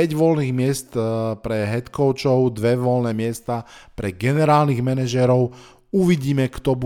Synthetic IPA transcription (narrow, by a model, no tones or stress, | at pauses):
ɛɟʋɔlniːɣmɪɛst̪pɾɛɦɛt̪kɔʊt͡ʃɔʊd̪ʋɛʋɔlnɛːmɪɛst̪aːpɾɛɡɛnɛɾaːlniɣmɛnɛʒɛɾɔʊ | uʋiɟiːmɛkt̪ɔbu